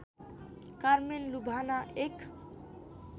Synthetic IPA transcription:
kaɾmenlubʱanaʔek

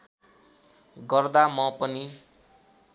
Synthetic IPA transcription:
ɡʌrd̪amʌpʌni

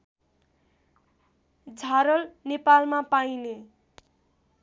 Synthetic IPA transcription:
d͡zʱaɾʌlnepalmapajne

